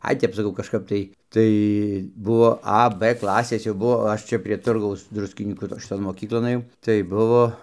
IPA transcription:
ˈɐɪ ˈtʲɛp sɐˈkɐʊ kɐʃˈkɐɪp tɐɪ tɐɪ ˈbuɔ ɐ p ˈklˠɑːsʲeːs jɛʊ ˈbʊʋoː ˈɐʃ t͡ʃʲɛ pʲrʲiɛ ˈtʊrɡɐʊs ˈdrʊsʲkʲɪnʲiːkuː toː ʃʲɪˈtoːn moːˈkʲiːklˠoːn ɘˈjɛʊ tɐɪ ˈbʊʋoː

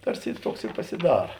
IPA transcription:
ˈtɐrʲˌsʲɪ ɪ ˈtuɔks ɪ pɐsʲɪˈdɑːrɐ

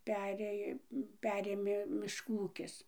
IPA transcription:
ˈpʲæːrʲeːj ˈpʲæːrʲeːmʲeː mʲɪʃˈkuː ˈuːkʲɪs

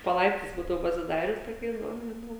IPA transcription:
poː ˈlˠɐɪptɐɪs ˈbuːdɐʋoː pɐsʲɪˈdɑːrʲʊs toːˈkʲɛɪs ˈbʊʋoːm ʒʲɪˈnɐʊ

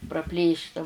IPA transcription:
prɐˈpʲlʲeːʃtɐ

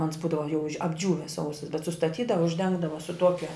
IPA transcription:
ɐns ˈbuːdɐʋɐ jɛʊ ɐbʲˈd͡ʒʲuːʋʲɪs ˈsɐʊsɐs bʲɛt sʊstɐˈtʲiːdɐʋɐ ʊʒʲˈdʲɛŋɡdɐʋɐ sʊ ˈtuɔkʲɛ

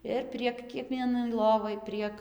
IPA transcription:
ˈɪr pʲrʲiɛk kʲiɛˈkʋʲiɛnɐɪ ˈlˠoːʋɐɪ ˈpʲrʲiɛk

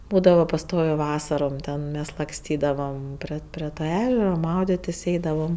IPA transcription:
ˈbuːdɐʋɐ pɐˈstoːʋʲeː ˈʋɑːsɐroːm ˈtʲɛn ˈmʲɛs lˠɐkˈsʲtʲiːdɐʋɐm ˈpʲrʲɪ pʲrʲɪ ˈtɐ ˈæːʒʲɛrɐ ˈmɐʊdʲeːtʲɪsʲ ˈɛɪdɐʋɐm

